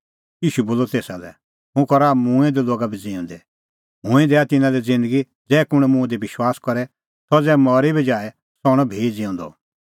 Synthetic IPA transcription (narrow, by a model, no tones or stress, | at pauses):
jiːʃuboːlɔt̪eːsalɛ̰ | ɦũkɔɾamũɛ̃d̪iloːɡabʱid͡ziɔ̃nd̪ɛ | mɦʊ̃ɛ̃d̪ɛːat̪ɪnãd̪ɛd͡zɪ̃nd̪əɡi | d͡zɛːkʊɽ̃ɛmũɛ̃d̪ibɪʃwaːskɔɾɛ | sɔd͡zɛːmɔɾibʱid͡ʒaːɛ | sɔɽ̃ɔbʱeːd͡zĩɔ̃nd̪ɔ̰